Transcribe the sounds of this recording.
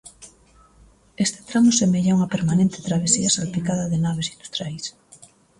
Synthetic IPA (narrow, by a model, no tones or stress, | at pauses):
est̪e̥t̪ɾamosemeʎauŋɐpeɾmanẽnt̪et̪ɾaβ̞esiɐsalpikaðɐðenaβ̞esind̪u̥st̪ɾjajs